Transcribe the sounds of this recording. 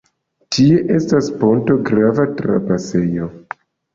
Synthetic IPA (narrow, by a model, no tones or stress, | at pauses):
tʰie̞ʔe̞staspo̞nto̞ɡɾavatɾa̰pase̞jo̞